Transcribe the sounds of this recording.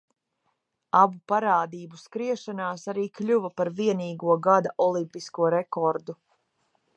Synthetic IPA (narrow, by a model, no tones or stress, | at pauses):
abupaɾaːd̪iːbuskɾiɛʃanaːsaɾiːklʲuvɐpaɾviɛniːɡuɔɡad̪aʔɔlˠimpiskuɔɾɛkɔɾd̪u